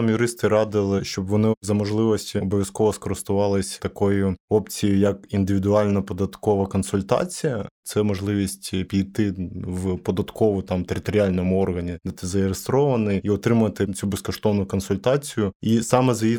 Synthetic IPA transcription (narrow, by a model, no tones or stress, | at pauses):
mjʊɾɪst̪ɪɾɑd̪ɪlˠɪʃt͡ʃɔbʋɔnɪzɐmɔʒlˠɪʋɔsʲtʲiɔbɔʋʲjɐskɔʋɔskɔɾɪst̪ʊʋɑlˠɪsʲt̪ɐkɔjʊɔpt͡sʲijɪjɐkind̪ɪʋʲɪd̪ʊɑlʲnɐpɔd̪ɐt̪kɔʋɐkɔnsʊlʲt̪ɑ̰t͡sʲijɐt̪sɛmɔʒlˠɪʋʲisʲtʲpʲijt̪ɪʋpɔd̪ɐt̪kɔʋʊt̪ɑmt̪eɾɪt̪ɔɾʲɪalʲnɔmʊɔrɦɐnʲid̪ɑt̪ɪzɐɪɾɪst̪ɾɔʋɐnɪjiɔt̪ɾɪmʊʋɐt̪ɪt͡sʲubɛskɔʃt̪ɔʋnʊkɔnsʊlʲt̪ɑt͡sʲijʊisɑmɛzji